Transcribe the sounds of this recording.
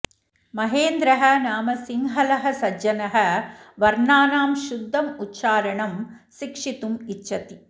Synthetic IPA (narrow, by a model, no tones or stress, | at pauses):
mɐɦeːnd̪ɾɐɦɐnaːmɐsiŋɦɐlɐɦɐsɐd͡ʒɐnɐɦɐʋɐɾɳaːnaːmʃud̪ʱːɐmutːʃaːɾɐɳɐm | ʃikʂit̪umit͡ʃʃɐt̪i